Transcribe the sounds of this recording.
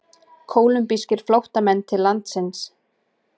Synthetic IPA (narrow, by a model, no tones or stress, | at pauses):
kʰoːwlʏmpiscɪɾ̥flowht̪amɛnːt̪ʰɪlːant̪sɪns